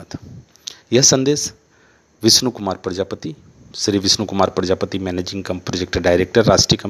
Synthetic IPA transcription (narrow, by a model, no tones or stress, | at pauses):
t̪ | jɐɦsɐnd̪eːs | ʋɪsnukʊmaːɾpɾəd͡ʒaːpət̪i | sɾiʋɪsnukʊmaːɾpɾəd͡ʒaːpət̪imɛneːd͡ʒĩŋɡkɐmpɾod͡ʒek̚ʈɖaːɪɾeːk̚ʈəɾːaːʃʈɾijəkɐ